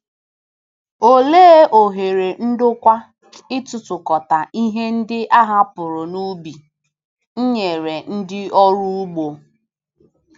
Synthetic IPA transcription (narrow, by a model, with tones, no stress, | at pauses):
o˨leː˦ʔo˨ɦe˨ɾe˨n̩˦dʊ˦kʷa˦ | ɪ˦tʊ˨tʊ˨kɔ˨ta˨ʔi˦ɦe˦n̩˦dɪ˦ʔa˦ɦa˦pʊ˨ɾʊ˨nu˦bi˨ | ɲ̩˦ɲe˨ɾe˨n̩˦dɪ˦ɔ˦ɾu˦u˦ɡ͡bo˨